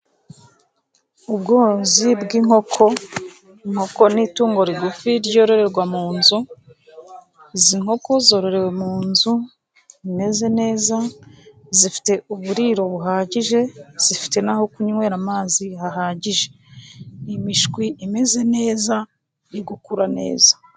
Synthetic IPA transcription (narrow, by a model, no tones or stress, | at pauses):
ubɡoːzibɡiŋ̥ho̞kʰo̞ | ŋho̞ko̞nituːŋɡo̞ɾiɡufiɾɟo̞ːɾo̞ɾe̞ɾɡwamuːnzu | ziŋho̞ko̞zo̞ɾo̞ɾe̞we̞muːnzu | ime̞ze̞ne̞ːza | zifi̥te̞uβuɾiːɾo̞βuɦaːɟiʒe̞z̥ifi̥te̞naho̞kuɲuwe̞ːɾamaːzihaɦaːɟiʒe̞ | imiʃkwiʔime̞ze̞ne̞ːza | iɡukuɾane̞̰ːza